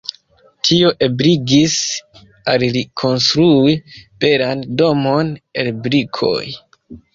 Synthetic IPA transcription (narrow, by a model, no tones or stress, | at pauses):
tʰio̞ʔe̞bɾiɡis | allikʰo̞nstɾuib̥e̞ɾando̞mo̞ne̞lbɾikʰo̞̰j